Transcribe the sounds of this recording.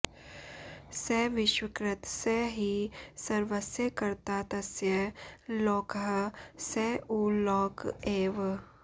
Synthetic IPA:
seːʋɪʃwɪkɾɪt̪seɦisɐɾʋəsjəkɐɾt̪at̪ɐsjəloːkəɦseuːlɔːkeːʋ

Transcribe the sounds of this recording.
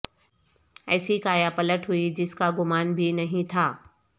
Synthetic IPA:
ɛ̰ːsikaːjapɐləʈɦʊid͡ʑɪskaɡʊmaːnbʱɪnɐɦĩt̪ʰaː

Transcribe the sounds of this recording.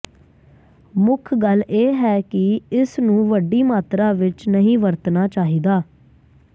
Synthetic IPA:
mʊkʰɡəlʔeːɦɛːkɪɪsnũːʋəɖːiːmaːt̪ɾaːʋɪt͡ʃnəɦĩːʋəɾt̪naːt͡ʃaːɦiːd̪aː

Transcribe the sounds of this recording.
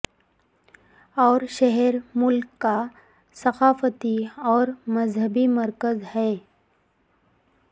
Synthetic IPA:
ɔːɾʃɛɦɛɾmʊlkːa | sɐqaːfət̪iɔːɾmɐzɦəbimɐɾkəzhɛː

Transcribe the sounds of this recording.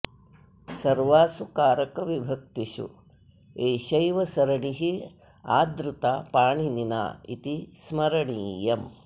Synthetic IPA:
sɐɾʋaːsukaːɾɐkɐʋibʱɐk̚t̪iʃṵ | eːʃɐjʋɐsɐɾɐɳiɦi | a̰ːd̪ɾut̪aːpaːɳinina̰ːḭt̪ismɐɾɐɳiːjɐm

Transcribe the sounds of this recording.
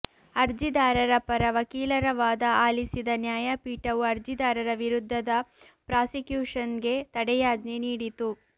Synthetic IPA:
ɐɾd͡ʒid̪aːɾɐɾɐpɐɾɐʋɐkiːlɐɾɐʋaːd̪ɐaːlisid̪ɐnjaːjɐpiːʈɐʋuɐɾd͡ʒid̪aːɾɐɾɐʋiɾud̪ʱːɐd̪ɐ | pɾaːsikjuːʂɐnɡe̞t̪ɐɽɛjaːd̪niniːɽit̪u

